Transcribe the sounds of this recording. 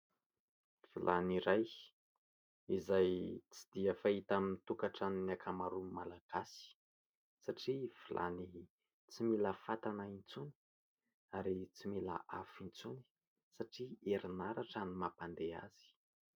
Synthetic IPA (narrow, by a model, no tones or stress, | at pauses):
v̥ilʔaniɾaj | izajt͡sid̪iafait̪aminit̪ukaʈ͡ʂaninakʰamaɾumalaɡ̥asi̥ | saʈ͡ʂiv̥ilʔa̰ni | t͡similəfat̪anaint͡suni̥ | aɾit͡simila̰ʔafint͡suni̥ | saʈ͡ʂieɾinaɾaʈ͡ʂanimapand̪ea̰z̥i̥